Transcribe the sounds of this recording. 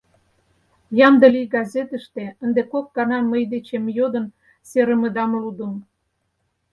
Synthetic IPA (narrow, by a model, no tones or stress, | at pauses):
jɑnd̪ə̆lijɡɑzet̪ə̆ʃt̪ĕənd̪ekokːɑnɑməjd̪et͡ɕemjod̪ə̆n | seɾə̆mə̆d̪ɑmlud̪ə̆m